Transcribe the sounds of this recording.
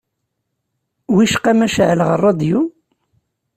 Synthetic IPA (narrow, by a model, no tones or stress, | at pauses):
wiʃqæmæʃʕləʁərˤːɑd̪ju